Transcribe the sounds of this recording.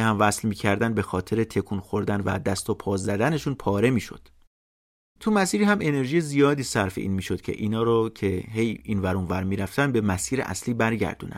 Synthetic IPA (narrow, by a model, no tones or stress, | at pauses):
hæmvæslmiːcʰæɾd̪ænbe̞xɒːt̪ʰe̞ɾe̞t̪ʰe̞kʰuːnxoɾd̪ænvæ̰d̪æst̪opʰɒːzæd̪æne̞ʃunpʰɒːɾe̞miːʃo̞̰d̪̥ | t̪ʰumæsiːɾiːhæmʔe̞ne̞ɾʒijezijɒːd̪iːsæɾfeʔḭːnmiːʃod̪̥cʰḛʔiːnɒːɾocʰe̞ɦe̞jiːnvæɾuːnvæɾmiːɾæft̪ænd̪be̞mæsiːɾḛʔæ̰sliːbæɾɟæ̰ɾd̪ṵːnʔæ̰̥